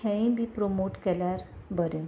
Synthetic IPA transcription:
ɛ̃ĩbʱipɾomoʈkɛljaɾbəɾẽ

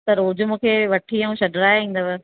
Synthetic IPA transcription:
t̪ɐɾoːd͡ʑmũːkʰeʋɐʈʰiɐũʃɐɖɾaːĩːn̆d̪əʋɛ

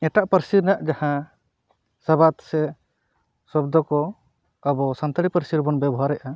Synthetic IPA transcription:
ɛʈaʔpəɾsiɾnaʔd͡ʒahã | sabat̪sɛ | sɔb̚d̪ɔkɔ | abɔsant̪aɽipəɾsiɾbɔnbɛbɔɦaɾɛʔa

